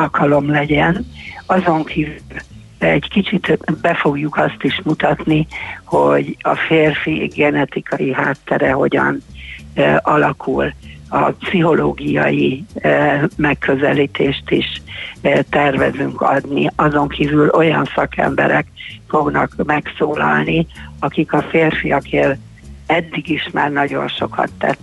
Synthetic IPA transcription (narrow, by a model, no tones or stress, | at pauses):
lkʰɒlo̞mlɛɟɛnɒzo̞ŋkʰivyl | ɛɟkit͡ʃit̪bɛfo̞ɡjukɒst̪iʃmut̪ɒt̪nihoɟɒ̰feːrfiɡɛnɛt̪ikʰɒjiɦaːt̪ːɛɾɛɦo̞ɟɒ̰n | ʔɒlɒkʰulɒpsiɦo̞loːɡijɒ̰ji | mɛkːøzɛlit̪eːʃt̪iʃ | t̪ɛrvɛzyŋkɒd̪niɒzo̞ŋkʰivylo̞jɒnsɒkʰɛ̰mbɛɾɛkfo̞ɡnɒkmɛksoːlɒlniɒkikɒfeːrfijɒkeːl | ɛd̪ːiɡiʃmaːrnɒɟo̞̰nʃo̞kʰɒ̰t̪ːɛ̰t̪ː